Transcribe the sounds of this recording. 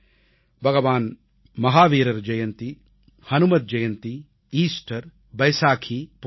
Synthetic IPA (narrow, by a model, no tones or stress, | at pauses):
bʱɐɡɐʋaːn | mɐɦaːʋiːɾɐɾd͡ʒɐjɐnt̪i | hɐnumɐd̪̚d͡ʒɐjɐnt̪i | iːsʈɐɾ | bɐjsaːkʰip